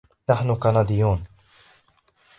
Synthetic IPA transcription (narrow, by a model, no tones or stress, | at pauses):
naħnʊkanad̪ɪjːuːn